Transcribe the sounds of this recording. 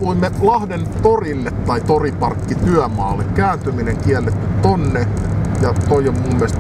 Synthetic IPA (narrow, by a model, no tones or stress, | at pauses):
ʋoimːelɑhdent̪orilːet̪t̪ɑit̪oripɑrkːit̪yæmɑ̰ːlːekkæːnt̪ymineŋkiælːet̪ːyt̪onːejɑt̪oiommumːiæˑst̪